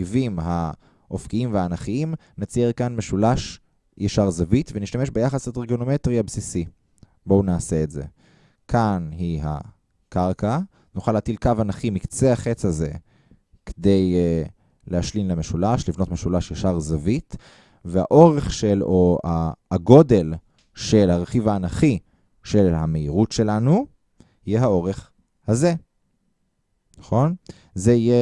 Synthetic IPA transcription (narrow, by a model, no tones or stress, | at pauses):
ivimɦa | ʔofkiimveaːnaχiim | net͡sieʁkanmeʃulaʃ | jaʃaʁzavitveniʃt̪ameʃbejaχaslet̪eʁɡonometʁiabsisi | bo̞unaːse̞ːtze̞̰ | kʰanɦiɦa̰ | kaʁka | nuχaleatilkavanaχimikt͡seaχet͡saze̞ | ke̥de̞j | leaʃlimleme̞ʃulaʃlivno̞tme̞ʃulaʃjaʃaʁzavit | veha̰ʔo̞ʁe̞χʃeloaɡo̞de̞l | ʃe̞lhaʁeχivaːnaχi | ʃe̞lhame̞iʁutʃe̞lanu | hijeɦao̞ʁe̞χ | haze̞ | naχo̞n | zeije